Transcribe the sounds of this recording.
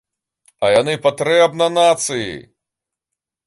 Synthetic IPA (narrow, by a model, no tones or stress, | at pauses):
ɐjanɨpat̪ɾɛbnɐnat̪sɨjḭ